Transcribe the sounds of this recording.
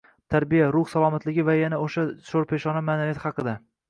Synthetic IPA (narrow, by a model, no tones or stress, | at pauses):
t̪ʰaɾbijaɾʊχsalˠɒmat̪lɪɡʲɪvajanaoʃaʃoɾpʰe̞ʃɒnamanalijat̪hɑqɨd̪a